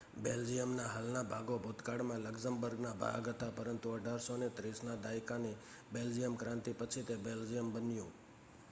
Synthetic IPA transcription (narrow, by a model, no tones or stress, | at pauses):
beld͡ʒijəmnaɦalnabʱaɡobʱut̪kaɽmãləɡsəmbəɾɡnabʱa̰ɡɦət̪apəɾənt̪uəɖʱaɾsonet̪ɾisnad̪ajkani | beld͡ʒijəmkɾãnt̪ipət͡ʃʰit̪ebeld͡ʒijəmbənjũ